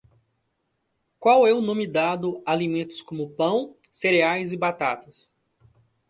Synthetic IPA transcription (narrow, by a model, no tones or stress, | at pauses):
kwawɛʊnõmid̪ad̪ʊalimẽnt̪ʊ̥skõmʊpɐ̃w̃ | seɾeajzɪbat̪at̪ɐs